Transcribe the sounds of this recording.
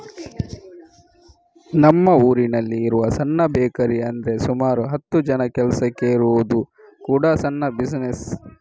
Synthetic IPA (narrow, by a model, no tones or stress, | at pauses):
nɐmːɐuːɾinɐlːiːɾuʋɐsɐnːɐbeːkɐɾiɐnd̪ɾesumaːɾuɦɐt̪ːud͡ʒɐnɐkɛlɐsɐkeiɾuʋud̪u | kuːɽɐsɐnːɐbisnes